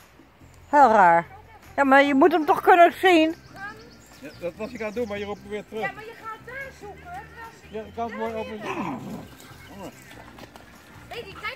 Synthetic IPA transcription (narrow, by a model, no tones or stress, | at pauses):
heːlˠraːɹ | jamaɹjəmutəmtɔxkønəsiːn | jdɔtɑsjəkandunmaɹjərup̚məʋɪːtrøx | jakɑntmoːjoə